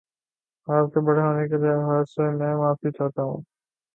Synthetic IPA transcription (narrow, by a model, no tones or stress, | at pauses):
aːp̚kebɐɽeɦoːneked̪eɦaːsemɛ̃ːmaːfbit͡ʃʰaːt̪aɦṵ̃ː